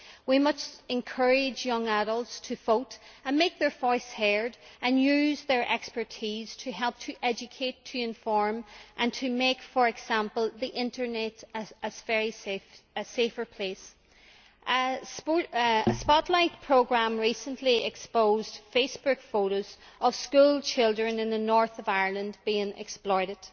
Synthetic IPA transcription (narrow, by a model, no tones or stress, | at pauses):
wimʌt͡ʃɪ̃nkʰɜ˞ɪd͡ʒjʌ̃ŋaɾəlˠtstʰəfotə̃nmek̚ðə˞vɔɪshɛɹdə̃njʉzðə˞ʔɛkspə˞tʰiz̥tʰɨɦɛlˠp̚tʰəʔɛd͡ʒɨkʰetʰːəɪ̃ɱfɔɹmʔə̃ntʰəmekfə˞ɛɡz̥ãmpəl̩ˠðiʔɪ̃ntə˞nɛɾəzvɛɹiəsefə˞pʰl̥es | ʔəs | əspɑtˡlaɪt̚pʰɹ̥oɡɹãmɹisə̃nliɛkspoːzd̥fesb̥ʊkfoɾoz̥ | ʔəv̥skuːlˠt͡ʃʰɪlˠdɹə̃nɪ̃nðənɔɹθəvaɪə˞lˠə̃ndbiɪ̃ŋʔɛ̰ksplɔɪɾɪd̥